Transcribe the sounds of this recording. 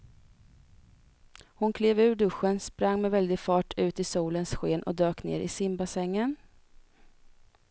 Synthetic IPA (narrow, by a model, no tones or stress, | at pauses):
hʊnkʰleːvʉ̟ːɖɵɧːənspɾaŋːmɛvɛld̪ɪɡfɑːʈʰʉ̟ːt̪ɪsuːlənsɧeːnʔɔ̰d̪øːknḛːɾɪsɪmbasɛŋːən